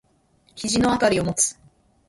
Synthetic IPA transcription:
çiʑino̞at̪aɾʲio̞mo̞t͡sɨ̥

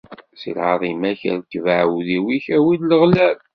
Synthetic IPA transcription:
sḭlʕɑðˤimæçə̰ɾkːvəʕwuðiwiçæwid̪ləʁlæl

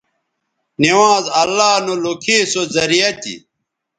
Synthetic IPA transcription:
niwãːzɐlːaːnolokʰeːsozɐɾijɐt̪ḭ

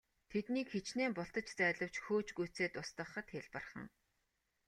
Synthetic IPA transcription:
t̪ʰet̪niːkxet͡ɕneːmpʊɬt̪ə̆t͡ɕt͡sæːɮə̆w̥t͡ɕxoːt͡ɕɡujʰt͡seːt̪ʊst̪ə̆χə̆t̪xeɮpə̆rχə̆ŋ

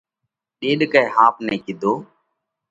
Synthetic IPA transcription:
ɗeːɗkəjhaːpneːkɪd̪ʱoː

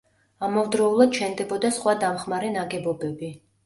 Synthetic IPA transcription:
amɔvd̪ɾɔulˠad̪̚t͡ʃʰɛnd̪ɛbɔd̪asχwad̪amχmaɾɛnaɡɛbɔbɛbi

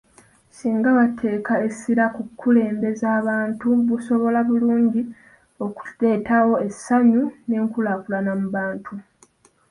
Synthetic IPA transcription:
siːŋɡaβatʰe̞ːkae̞siɾakukʰːule̞ːmbe̞zaːβaːntuβuso̞βo̞laβuluːɲɟi | o̞ku̥le̞ːtawo̞e̞sːaɲune̞ːŋkulaːkulanamuβaːntʰu

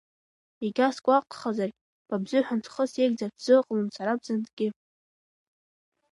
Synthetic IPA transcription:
iɡʲaskʷʼaqʼχazarkʲʼ | b̥abzʷɨħʷᶣant͡sʰχəsjeɡ̚ʲd͡zadzɨqʼmunsʰaɾab̚zandɡʲɪ

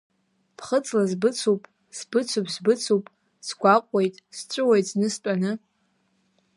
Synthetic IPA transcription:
pʰχət͡sʼlazbɨt͡sʰupʼ | sb̥ɨt͡sʰupʰsbɨt͡sʰupʼ | sɡʷaqʷʼe̞jtʼst͡ʃʷʼʊwejtʼznɨstʼanɨ

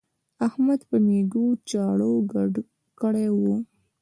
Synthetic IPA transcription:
ahmad̪pəneɡut͡ʃɑɽoɡ | kəɽewu

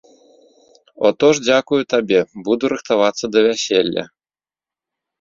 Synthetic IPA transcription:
ɔt̪ɔʐd͡zʲakujut̪abʲɛbud̪uɾɨxt̪avat̪sːɐd̪ɐvʲasʲelʲːɐ̰

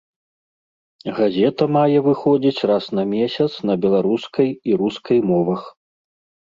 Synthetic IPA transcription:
ɣazʲɛt̪ɐmajɛvɨxɔd͡zʲit͡sʲrasnɐmʲesʲɐt̪snɐbʲɛlˠaɾuskɐjiɾuskɐjmɔvɐx

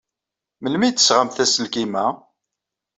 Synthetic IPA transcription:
məlmit̪ːə̥sʁamθæsəlkimæ

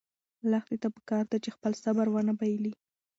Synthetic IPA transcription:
laxd̪et̪apə̥kɑɾd̪at͡ʃexpəlsabaɾwanabajəli

